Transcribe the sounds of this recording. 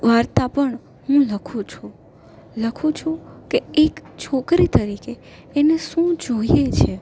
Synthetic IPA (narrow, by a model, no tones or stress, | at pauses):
ʋaɾt̪apəɳ | ɦũləkʰũt͡ʃʰũ | ləkʰũt͡ʃʰũkeekt͡ʃʰokɾit̪əɾikeː | neʃũd͡ʒoijet͡ʃʰe